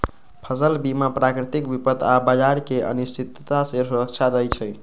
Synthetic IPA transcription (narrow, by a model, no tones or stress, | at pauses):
pʰəsəlbimapɾakɾit̪ikbipət̪abəd͡ʒaɾkeʔə̰nist͡ʃʰit̪t̪aseɾuɾək̚t͡ʃʰad̪əjt͡ʃʰəj